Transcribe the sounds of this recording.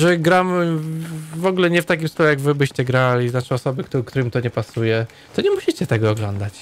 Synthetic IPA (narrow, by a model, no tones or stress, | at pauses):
ʐɛɡɾamɘ | vɔɡulɛɲɛft̪akʲimst̪ɔlɛjaɡvɘbɘɕt͡ɕɛɡɾalʲiznat͡ʂɨɔsɔbɘkt̪ukt̪uɾmit̪ɔɲɛpasujɛ | t̪ɔɲɛmuɕit͡ɕɛt̪ɛɡɔːɡlɔnd̪at͡ɕ